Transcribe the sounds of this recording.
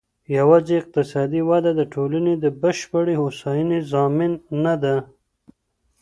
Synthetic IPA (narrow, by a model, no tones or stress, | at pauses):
jawɑzeɪq̚t̪ɪsɑd̪iwad̪ad̪əʈʰolaned̪əbəʃpəɽehosɑjinezɑmɪnːad̪a